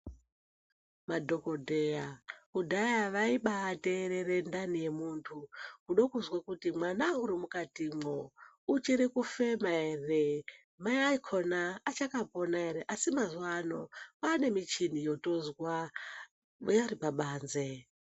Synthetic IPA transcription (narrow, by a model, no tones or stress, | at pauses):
madʱo̞ko̞dʱe̞jakudʱajaʋaiɓaːte̞ɾeɾe̞ndanije̞muːntʰukuɗokuzwakutimwanauɾimukatimo | ut͡ʃiɾikufemaere | majaikʰonaːt͡ʃakaponae̞ɾeʔasimazuwano̞pane̞mit͡ʃinijo̞to̞zwa | jaripaɓaːnze̞